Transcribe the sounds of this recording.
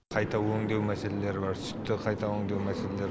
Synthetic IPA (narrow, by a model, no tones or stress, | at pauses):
qʰɑjt̪ʰɑwɵŋd̪ewmæseleleɾɪbɑɾsʏ̥t̪ːɪqʰɑjt̪ʰɑwɵŋd̪ewmæseleleɾ